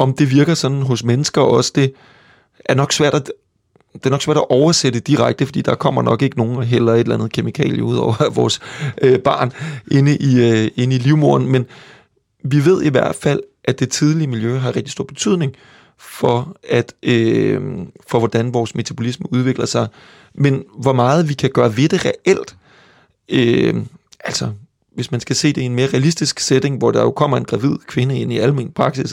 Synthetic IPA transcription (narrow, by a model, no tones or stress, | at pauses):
ɒ̽md̥e̝ʋiɐɡ̥ɐsɒ̽d̥n̩ɦɔ̽smenəsɡ̥ɐɒ̽sə̥d̥e̝ | ʔæɐnɒ̽ɡ̥sʋæɐ̰d̥æ | d̥eɐnɒɡ̥sʋæɐ̰d̥æʔɒʊɐsed̥əd̥iʁaɡ̥̚d̥əfɒ̽d̥ḭːd̥ɑ̈kʰɒ̽m̰ɐnɒ̽ɡ̥e̝ɡ̥əno̝ːn̩ɒɦel̰ɐe̝d̥lænð̞̩ˠkʰe̝mikʰɛ̰ːljəuð̰ˠɒʊ̰ɐʋɒ̰ːsøb̥ɑ̈ːnʔe̝nəʔie̝nəiliʊmo̝ɐn̩men | ʋiʋe̝ð̞̰ˠiʋæɐ̰d̥fæl̰ʔæd̥e̝t͡sʰið̞ˠliəmiljøɦɑ̈ʁeɡ̥̚d̥iso̝ɐ̰b̥e̝̥t͡sʰyð̰ˠne̝ŋ | fɒ̽æd̥ø | fɒ̽ʋɒd̥ænʋɒːsme̝t͡sʰæb̥o̝lisməuð̞ˠʋe̝ɡ̥lɐsɑ̈ɪ | menʋɒmɑ̈ːð̞̩ˠʋikʰæɡ̥ɶːɐʋe̝d̥e̝ʁɛʔel̰d̥ | ø | ʔæl̰sɒ | ʋe̝smænsɡ̥æse̝̰ːd̥ee̝nme̝ːɐʁɛælisd̥isɡ̥sed̥e̝ŋʋɒd̥ɑ̈jo̝kʰɒ̽m̰ɐe̝nɡ̥ʁɑ̈ʋið̞̰ˠkʰʋe̝nəe̝n̰iælmenpʰʁɑ̈ɡ̥sis